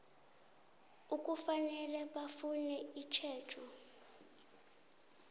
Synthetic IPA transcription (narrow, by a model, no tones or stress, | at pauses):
uk̬ʼufanɛlɛɓafunɛit͡ʃʰɛ̥ːt͡ʃʰɔ